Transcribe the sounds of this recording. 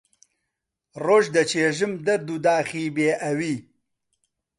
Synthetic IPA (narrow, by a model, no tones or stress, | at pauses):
roːʒd̪ɐt͡ʃeːʒɨmd̪ɐɾd̪ud̪aːχiːbeːʔɐwiː